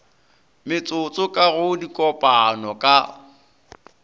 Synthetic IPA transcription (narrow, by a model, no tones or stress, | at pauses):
mɪt͡sʼʊt͡sʼʊkʼaɣʊdikʼɔpʼanɔkʼa